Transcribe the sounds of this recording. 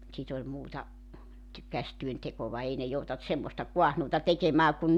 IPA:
sit olʲ muːtɑ ty kæstyøntekoʋɑ ei ne joutɑnt semːostɑ kuɑhnuːtɑ tekemæː kun

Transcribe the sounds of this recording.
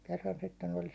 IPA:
kerːɑn sitːen ol

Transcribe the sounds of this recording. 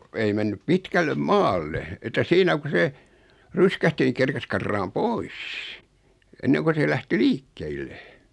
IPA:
ei menːyp pitkælːem mɑːlːe etːæ siːnæ ku se ryskæhti n̆ĭ kerkes kɑrːɑːm pois enːeŋko se læhti liːkːeilːe

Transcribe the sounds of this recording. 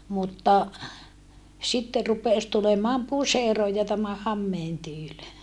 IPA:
mutːɑ sitːe rupeˑs tulemɑːm puseroj jɑ tæmæ hɑmːeːn tyːl

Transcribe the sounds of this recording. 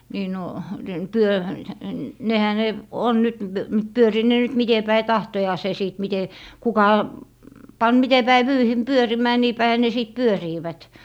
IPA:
niː no den pyø nehæ ne on nyt pyøriːt ne nyt mite pæi tɑhtojɑːse siˑt mite kukɑ pɑn mite pæi ʋyːhim pyørimæː niː pæihæ ne siˑt pyøriːʋæt

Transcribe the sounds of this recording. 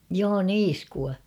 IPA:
joː niːskuɑ

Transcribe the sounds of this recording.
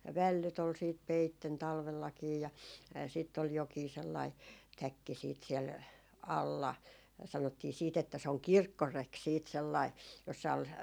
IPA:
jɑ ʋælːyt ol siːt peitːen tɑlʋelːɑkiː jɑ siˑtː ol jokiː selːɑi tækːi siːt siɛl ɑlːɑ sɑnotːiː siːt etːæ se oŋ kirkːorek siːt selːɑi josːɑ ol

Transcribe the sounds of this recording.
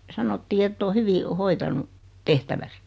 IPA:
sɑnotːiː etː oː hyʋi hoitɑnu tehtæʋæs

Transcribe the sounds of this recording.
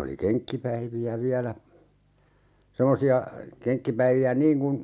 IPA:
oli keŋkːipæiʋiæ ʋiælæ semosiɑ keŋkːipæiʋiæ niːŋ kun

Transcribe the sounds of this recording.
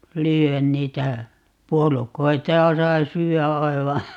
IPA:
lyːæn niːtæ puolukoitɑ jɑ sɑi syːæ ɑi̯ʋɑ

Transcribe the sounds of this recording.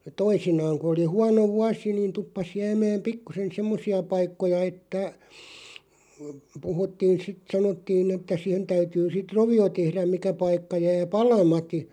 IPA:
toisinɑːŋ ku oli huɑno ʋuɑsi niːn tupːɑs jæːmæːm pikːusen semːosiɑ pɑikːojɑ etːæ puhutːiːn̞ sit sɑnotːiːn etːæ sihen tæytyː sit roʋio tehræm̆ mikæ pɑikːɑ jæː pɑlɑmɑti

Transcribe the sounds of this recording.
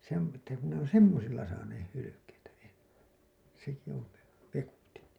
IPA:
se on etːæ ku ne on semːosilːɑ sɑːneːh hylykeitæ enːe seki on̞ ʋe ʋekutin

